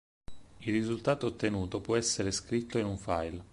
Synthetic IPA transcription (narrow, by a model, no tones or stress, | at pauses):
ilrizult̪aːt̪oːt̪ːenuːt̪opwɔɛsːeɾeskɾit̪ːoinuɱfajl